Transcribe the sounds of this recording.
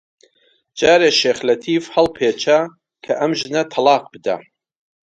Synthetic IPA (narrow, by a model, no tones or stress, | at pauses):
d͡ʒaːɾeːʃeːxlɐt̪ʰiːfhɐlˠpʰet͡ʃʰa | kʰɐʔɐmʒɨnɐt̪ʰɐlˠɑːqbɨd̪a̰